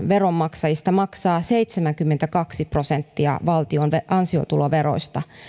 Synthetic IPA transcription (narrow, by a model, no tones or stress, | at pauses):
ʋeromːɑksɑjist̪ɑmɑksɑːseit̪semæŋkymːent̪ækɑksipro̞sent̪ːiɑ̰ʋɑlt̪ionʋeʔɑnsio̰t̪uloʋeɾo̰ist̪ɑ